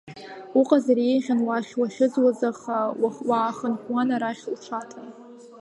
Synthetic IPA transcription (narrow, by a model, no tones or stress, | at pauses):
uqʼazaɾejʁʲanwaχʲwaχʲɪd͡zwazaχawawaːχənχʷwanaɾaχʲlʈ͡ʂʷʰatʰʼan